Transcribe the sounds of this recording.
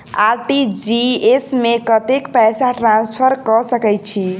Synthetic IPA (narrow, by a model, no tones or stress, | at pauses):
aɾʈid͡ʒiesmekət̪ekpɛjsaʈɾãnspʰəɾkɔsəkɛjt̪̚t͡ʃʰi